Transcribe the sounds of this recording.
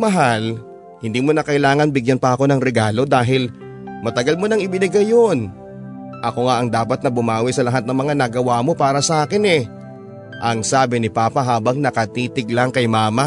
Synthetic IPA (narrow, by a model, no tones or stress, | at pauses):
mɐɦal | hɪnd̪iːmo̞nɐkɐʔɪlaːŋɐnbɪɡjanpɐʔɐko̞nɐŋɾɛɡaːlo̞d̪aːɦɪl | mɐt̪ɐɡalmo̞nɐŋɪbɪnɪɡajon | ʔɐko̞ŋaʔɐŋd̪aːpɐt̪̚nɐbʊmaːwɪsɐlɐɦat̪̚nɐŋmɐŋanɐɡɐwaːmo̞paːɾɐsɐʔaːkɪnɛ | ʔɐŋsaːbɪnɪpaːpɐɦaːbɐŋnɐkɐt̪iːt̪ɪɡlaŋkɐjmaːma